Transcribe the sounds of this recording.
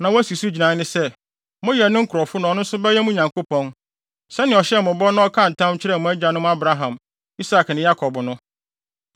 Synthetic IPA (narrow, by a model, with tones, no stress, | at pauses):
nã˨wæ˦si˨su˦d͡ʑi˨nã˨˦nɪ̃˦sɛ˦ | mʊ̃˦jɛ˨nʊ̃˦ŋ̩˦kʰʊ˨ɾɔ˨fʊ˦nʊ̃˨˦nʊ̃˦n̩˦sʊ˦bɛ˦jɛ˦mũ˦ɲã˨ŋkʰo˦pɔ̃˦n | sɛ˦nɪ̃˨ɔ˨ɕɛ˦mʊ̃˨bɔ˦nʊ̃˦ɔ˦kʰã˦n̩˨tʰã˦mt͡ɕʰɪ˦ɾɛ˦˨mʊ̃˨æ˦d͡ʑa˨nʊ̃˦m˦a˦bɾa˦ɦã˨m | i˦sa˨knɪ̃˨ja˦kʰɔ˨bnʊ̃˦